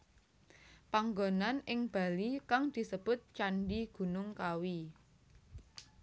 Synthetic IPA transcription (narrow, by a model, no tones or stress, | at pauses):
paŋɡonanɪŋb̥a̤likaŋd̪̥i̤səb̥ʊ̤t̪̚t͡ʃanɖiɡ̥ṳnʊŋkawi